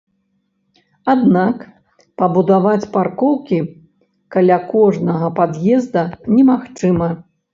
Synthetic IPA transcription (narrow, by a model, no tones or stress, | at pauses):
ad̪nak | pɐbud̪avat͡sʲparkɔwkʲi | kalʲakɔʐnɐɣɐpad̪jɛzd̪ɐnʲɛmaxt͡ʂɨmɐ